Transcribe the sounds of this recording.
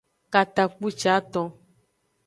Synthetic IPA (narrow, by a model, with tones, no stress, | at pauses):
ka˨t̪a˨k͡pu˦t͡ʃa˦t̪ɔ̃˧